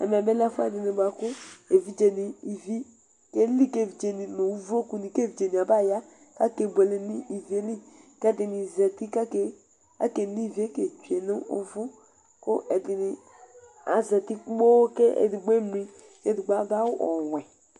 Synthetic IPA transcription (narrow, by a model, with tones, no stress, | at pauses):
ɛ̰˨mɛ˨be˦la˦fʊ˦ɛ˨dɪ˨ni˨ba˨kʊ˦e˨vi˦d͡ʒe˨ni˨i˨vi˦ | ke˦li˦ke˦˨vi˨d͡ʒe˨ni˨no˨u˦vo˦ku˨ni˨ke˦vi˨d͡ʒe˨ni˨a˨ba˦˨ja˦ | ka˦ke˨bʷe˨li˦ni˦ʔi˨vi˨˦e˦li˦kɛ˦dɪ˨ni˨zɛ˨ti˦ka˦ke˦ | a̰˦ke˨ni˦˨vi˨˦e˦ke˨t͡ʃi˨e˨nʊ˦ʊ̰˦vʊ˦ | kʊ˦ʔɛ˨dɪ˨nɪ˨ | a˨zɛ˨ti˦k͡pbo˦ke˦ḛ˨di˨ɡ͡be˦mɾi˨ | ke˦di˨ɡ͡ba˦ba˦wʊ˦ʔɔ˨wʷɛ˨